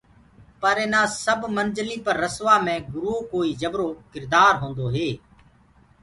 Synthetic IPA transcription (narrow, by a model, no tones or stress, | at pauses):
pəɾeːnãːsəbmənd͡ʒəlĩːpəɾːəsʋaːmɛ̃ːɡʊɾuːkoːiːd͡ʒəbɾoːkɪɾd̪aːɾɦõːnd̪oːɦeː